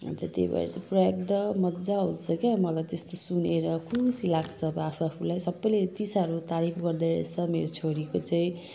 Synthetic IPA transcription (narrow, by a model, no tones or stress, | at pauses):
t̪ʌt̪ḛba̰ɾet͡saprʌjʌk̚d̪ʌmʌd͡zaɦũt͡sʰʌkemʌlajt̪est̪osuneɾʌkʰusilaɡt͡sʰʌbʌapʰuapʰulajsʌbːʌjled̪isaʌɾut̪aɾipʰɡʌrd̪ʌɾḛt͡sʰʌmeɾot͡sʰoɾikot͡saĩ